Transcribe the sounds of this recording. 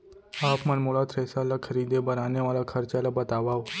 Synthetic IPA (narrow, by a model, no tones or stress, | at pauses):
apmənmuɭat̪ɾesalakʰəɾid̪ebəɾaneʋalakʰəɾt͡ɕalabət̪aʋaʋ